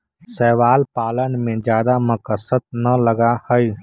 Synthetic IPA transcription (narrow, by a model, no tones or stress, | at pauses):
sɛːʋaːlpaːlənmẽd͡ʒjaːd̪amʊkəsət̪̚nɐləɡahəi